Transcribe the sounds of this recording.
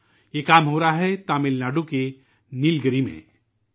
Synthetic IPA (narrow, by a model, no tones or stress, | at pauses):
jekaːmɦoːɾaaɦɛt̪aːmɪlnaːɖoke | nilɡəɾimḛ̃ː